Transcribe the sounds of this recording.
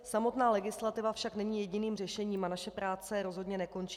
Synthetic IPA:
samo̞t̪naːlɛɡɪslat̪ɪvafʃaknɛɲiːjɛɟɪniːmr̝ɛʃɛɲiːmanaʃɛpɾaːt͡sɛɾo̞zɦo̞dɲɛnɛko̞nt͡ʃi

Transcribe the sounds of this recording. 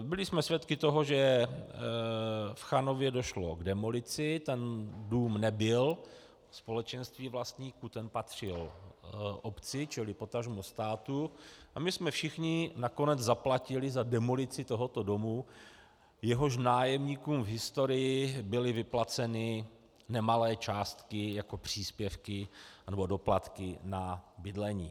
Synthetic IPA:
bɪlɪsmɛsvjɛt̪kɪt̪o̞ɦo̞ʒɛ | fxano̞vjɛdo̞ʃloɡdɛmo̞lɪt͡sɪt̪ɛnduːmnɛbɪl | spo̞lɛt͡ʃɛnst̪viːvlast̪ɲiːkut̪ɛnpat̪r̝̥ɪl | ʔopt͡sɪt͡ʃɪlɪpo̞t̪aʒmust̪aːt̪uʔamɪsmɛfʃɪxɲɪnako̞nɛd͡zzaplacɪlɪzadɛmolɪt͡sɪt̪o̞ɦo̞t̪o̞do̞mu | jɛɦo̞ʃ̬naːjɛmɲiːkuːmvɦɪst̪o̞ɾɪjɪbɪlɪvɪplat͡sɛnɪ | nɛmalɛːt͡ʃaːst̪kɪjako̞pr̝̥iːspjɛfkɪnɛbo̞do̞plat̪kɪnabɪdlɛɲiː

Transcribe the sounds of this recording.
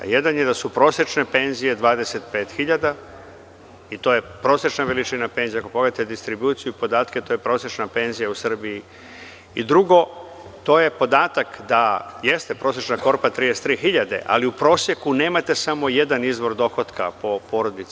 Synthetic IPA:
jed̪anjed̪asupɾo̞ːsje̞t͡ʃne̞pe̞nzije̞d̪ʋaːd̪ese̞t̪peːt̪xiʎad̪a | it̪o̞jepɾo̞ːsje̞t͡ʃnaʋe̞lit͡ʃinape̞ːnzijako̞poɡleat̪ed̪ist̪ɾibuːt̪sijuipo̞d̪aːt̪ket̪o̞jepɾo̞ːsje̞t͡ʃnape̞nzijausr̩bii | id̪ɾuɡo̞ | t̪o̞je̞po̞d̪aːt̪akd̪aje̞st̪e̞pɾo̞ːsjet͡ʃnako̞ɾpat̪ɾij̪est̪ɾiːxiʎad̪e̞̰ʔa̰liupɾo̞ːsje̞kune̞ːmat̪e̞samo̞je̞d̪anizʋo̞ɾd̪o̞xo̞t̪ka̰po̞po̞ːɾo̞d̪it̪s

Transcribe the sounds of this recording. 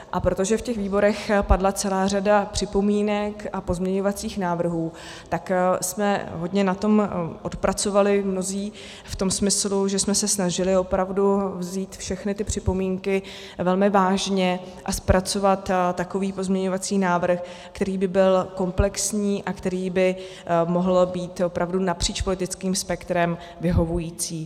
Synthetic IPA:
ʔapɾot̪o̞ʒɛfcɛxviːbo̞ɾɛxpadlat͡sɛlaːr̝adapr̝̥ɪpo̞miːnɛkʔapo̞zmɲɛɲo̞vat͡siːxnaːvr̩ɦuː | t̪aksmɛɦo̞dɲɛnat̪o̞mʔo̞t̪pɾat͡so̞valɪmno̞ziː | ft̪o̞msmɪsluʒɛsmɛsɛsnaʒɪlɪo̞pɾavduvziːt̪fʃɛxnɪt̪ɪpr̝̥ɪpo̞miːŋkɪ | vɛlmɪvaːʒɲɛ | ʔaspɾat͡so̞vat̪tːako̞viːpozmɲɛɲo̞vat͡siːnaːvr̩x | kt̪ɛɾiːbɪbɪlko̞mplɛksɲiːʔakt̪ɛɾiːbɪ | mo̞ɦl̩biːt̪opɾavdunapr̝̥iːt͡ʃpo̞lɪt̪ɪt͡skiːmspɛkt̪ɾɛm | vɪɦo̞vujiːt͡siː

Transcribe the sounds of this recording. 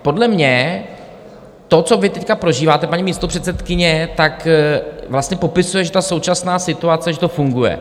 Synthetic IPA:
po̞dlɛmɲɛ | t̪o̞t͡so̞vɪt̪ɛckapɾo̞ʒiːvaːt̪ɛpaɲɪmiːst̪opr̝̥ɛt̪sɛt̪kɪɲɛt̪akvlast̪ɲɛpo̞pɪsujɛʒɛt̪aso̞wt͡ʃasnaːsɪt̪uat͡sɛʒɛt̪o̞fuŋɡujɛ̰

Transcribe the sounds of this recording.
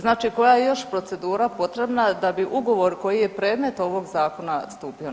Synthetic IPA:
znaːt͡ʃiko̞jajejo̞ʃpɾo̞t̪se̞d̪uːɾapo̞t̪ɾe̞bnad̪abiʔuɡo̞ʋo̞ɾko̞jije̞pɾe̞ːd̪me̞t̪o̞ʋo̞ɡzaːko̞nast̪uːpio

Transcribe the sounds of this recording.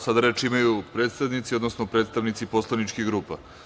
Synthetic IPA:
sad̪aɾet͡ʃimajupɾe̞ːt̪st̪aʋnit̪sio̞d̪nosnopɾe̞t̪st̪aʋnit̪sipo̞slˠanit͡ʃkiɡɾuːpa

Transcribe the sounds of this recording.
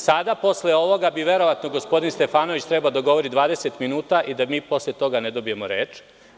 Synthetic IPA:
sad̪apo̞sleo̞ʋo̞ɡabiʋe̞ɾo̞ʋat̪noɡospo̞d̪inst̪e̞faːnoʋit͡ɕt̪ɾebald̪aɡo̞ʋo̞ɾid̪ʋaːd̪e̞set̪minuːt̪aʔid̪amiːpo̞slet̪o̞ɡaned̪o̞bijemoɾe̞ːt͡ʃ

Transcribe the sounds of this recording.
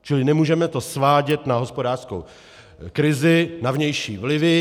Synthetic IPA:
t͡ʃɪlɪnɛmuːʒɛmɛt̪o̞svaːɟɛt̪naɦo̞spo̞daːr̥skow | kɾɪzɪnavɲɛjʃiːvlɪvɪ

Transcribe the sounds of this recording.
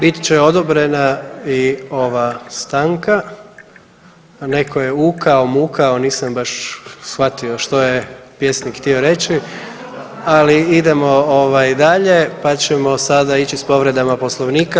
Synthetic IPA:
bit̪i̥t͡ɕeo̞d̪obɾe̞naio̞ʋast̪aŋka | ne̞ko̞jeuːkaomuːkʰao̞niːsambaʃsxʋat̪io̞ʃt̪o̞jepje̞snikxt̪io̞ɾe̞t͡ɕi | aliid̪emo̞oʋajd̪aʎe̞pat͡ɕe̞mo̞sad̪ait͡ʃispo̞ʋɾe̞d̪amapo̞slˠoʋniːka

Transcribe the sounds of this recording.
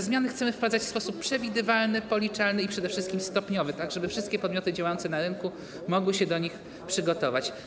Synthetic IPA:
zmʲjanɘxt̪sɛmɘfpad̪zat͡ɕfspɔsupːʂɛvʲid̪ɘvalnɘpɔlʲit͡ʂalnɘipʂɛd̪ɛfʂɘst̪kʲimst̪ɔpɲɔvɘt̪aɡʐɛbɘfʂɘst̪̚kʲɛpɔd̪mʲjɔt̪ɘd͡ʑawajɔnt̪sɛnaɾɘnku | mɔɡwɘɕɛd̪ɔɲix | pʂɘɡɔt̪ɔvat͡ɕ

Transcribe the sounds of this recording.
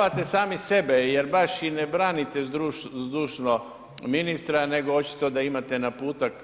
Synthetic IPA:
at̪e̞saːmise̞be̞je̞ɾbaʃinebɾaːnit̪eɾuzd̪uːʃno | minist̪ɾane̞ɡoot͡ʃi̥t̪o̞d̪aimat̪enapuːt̪ak

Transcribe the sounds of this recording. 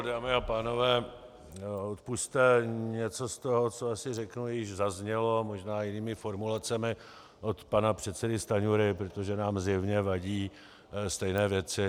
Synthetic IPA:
daːmɪapaːno̞vɛː | ot̪pust̪ɛɲɛt͡so̞st̪oɦo̞t͡soasɪrɛknujɪʒzazɲɛlo̞moʒnaːjɪniːmɪfo̞ɾmulat͡sɛmɪ | ʔot̪panapr̝̥ɛt̪sɛdɪst̪aɲuɾɪpɾot̪o̞ʒɛnaːmzjɛvɲɛvaɟiː | st̪ɛjnɛːvjɛtt͡sɪ

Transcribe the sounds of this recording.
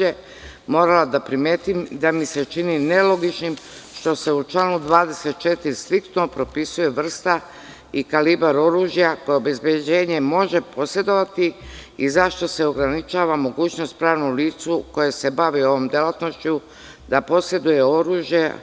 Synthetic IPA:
e | mo̞ːɾalad̪apɾimjeːt̪imd̪amise̞t͡ʃinine̞lo̞ɡit͡ʃnimʃt̪o̞se̞ut͡ʃlaːnud̪ʋaːd̪e̞se̞t̪̚t͡ʃe̞t̪iɾist̪ɾik̚t̪nopɾo̞pisuje̞ʋr̩st̪a | ikalibaɾo̞ɾuːʒjakojeobe̞zbje̞d͡ʑe̞ːɲe̞mo̞ʒe̞pʰo̞se̞d̪o̞ʋat̪iizaʃt̪o̞se̞o̞ɡɾanit͡ʃaːʋamo̞ɡuːt͡ɕno̞st̪̚pɾaːʋnoliːt̪suko̞jese̞baʋio̞ʋo̞md̪jelat̪no̞ʃt͡ɕu | d̪apo̞sje̞d̪uje̞o̞ɾuːʒje̞

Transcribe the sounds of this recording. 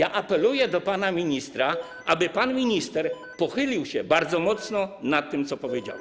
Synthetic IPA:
jaʔapɛlujɛd̪ɔpanamʲiɲist̪ɾa | ʔabɘpanmʲiɲist̪ɛɾ | pɔxɘlʲiwɕɛbaɾd̪zɔmɔt̪snɔnat̪ːɘmt̪sɔpɔvʲjed͡ʑa̰wɛ

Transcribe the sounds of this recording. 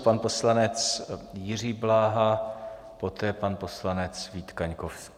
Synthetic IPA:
panpo̞slanɛt͡sjɪr̝iːblaːɦa | po̞t̪ɛːpanpo̞slanɛt͡sviːt̪kaɲkofsk

